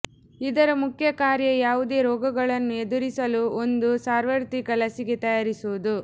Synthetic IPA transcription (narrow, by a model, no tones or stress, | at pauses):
id̪ɐɾɐmukʰjɐkaːɾjɐjaːʋud̪e̞ːɾɔːɡɐɡɐɭɐnːue̞d̪uɾisɐluo̞nd̪usaːɾʋɐɾt̪ikɐlɐsiɡet̪ɐjaːɾisuud̪u